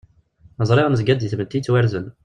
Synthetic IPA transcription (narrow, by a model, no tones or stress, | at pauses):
əzˤɾˤeʁnəzɡæd̪jəθmət̪ːit͡sːwæɾzən